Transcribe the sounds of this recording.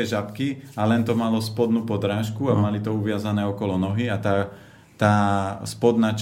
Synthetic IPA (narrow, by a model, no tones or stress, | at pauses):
ɛʒapkialɛnt̪ɔmalɔspɔd̪nuːpɔd̪ɾaːʃkuamalit̪ɔuʋɪazanɛːɔkɔlɔnɔɦiat̪aː | t̪aːspɔd̪naːt͡ʃ